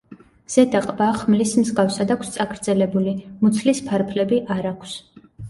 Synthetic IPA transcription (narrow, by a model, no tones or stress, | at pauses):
z̥ɛd̪aqʼbaχmlismzɡafsad̪akʰst̪sʼaɡɾd̪zɛlɛbulimut̪sʰlispʰaɾpʰlɛbiʔaɾakʰs